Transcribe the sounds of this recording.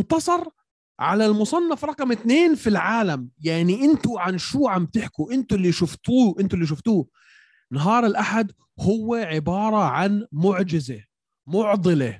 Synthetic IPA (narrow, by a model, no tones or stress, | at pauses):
nt̪ɑsˤɑɾˤ | ʕa̰lalmʊsˤɑnːɑfɾˤɑqmɪt̪neːnfilʕaːlamjaʕniʔɪnt̪ʊʕanʃuːʕamb̚t̪ɪħkuʔɪnt̪ʊlːiʃʊft̪uːʔɪnt̪ʊlːiʃ̬ʊft̪uː | nɑɦɑːɾˤɪlʔaħad̪ | hʊwːeʕɪbɑːɾˤɑʕanmʊʕd͡ʒɪze | mʊʕd̪ˤɨle